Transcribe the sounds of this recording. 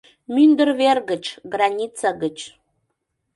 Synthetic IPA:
mynd̪ərverɡə̆t͡ʃɡranʲit͡saɡət͡ʃ

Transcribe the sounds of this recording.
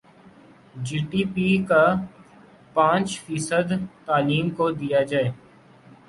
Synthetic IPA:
d͡ʒiːʈiːpiːka | pãːt͡ʃfiːsəd̪t̪aːliːmkod̪ijad͡ʒaːeː

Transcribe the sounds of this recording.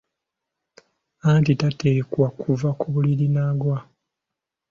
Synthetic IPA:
antitateːkwakʰuvakʰuβulilinaːɡwa

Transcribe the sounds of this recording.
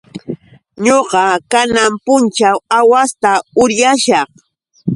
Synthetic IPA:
ɲoqɑkanampʊnt͡ʃawawast̪aʊɾjaʃɑχ

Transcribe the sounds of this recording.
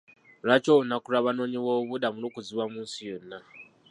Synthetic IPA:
rat͡ʃounakuɾaβanoɲiwoβuɗamuɾukud͡ziwamusiona

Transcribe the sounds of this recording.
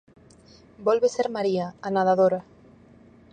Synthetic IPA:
bolβeseɾmaɾiaanað̞aðoɾa

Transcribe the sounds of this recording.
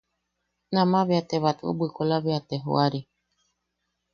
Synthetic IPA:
nãmãβeat̪eβat̪uo̰bɨkolaβeat̪eɦo̰aɾi

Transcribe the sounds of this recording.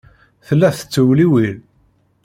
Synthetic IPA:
θəlːæθə̥t͡sːəwliwil

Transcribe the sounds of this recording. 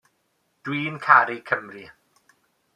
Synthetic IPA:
d̥wiːnkʰaɾikʰəmri

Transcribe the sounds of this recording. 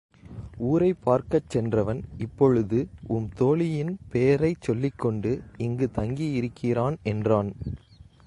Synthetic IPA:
uːɾɐɪpːaːɾkɐt͡ʃːɛndrɐʋɐnɪpːɔɻɯðɯʊmt̪oːɭɪjɪnpejɐɾɐɪt͡ʃɔlːɪkːɔɳɖɯɪŋɡɯt̪ɐŋɡijɪɾɯkʰːɪɾaːnɛndraːn

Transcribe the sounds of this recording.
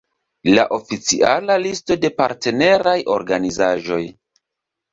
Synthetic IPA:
la̰ʔo̞fit͡siʔalalisto̞de̞pa̰ɾte̞ne̞ɾajʔo̞̰ɾɡanizaʒo̞j

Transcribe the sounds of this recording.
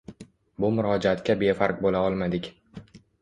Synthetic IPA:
bʊmʊɾɒd͡ʒaat̪kʲabe̞faɾk̚bolaɒlˠmad̪ɪkʲ

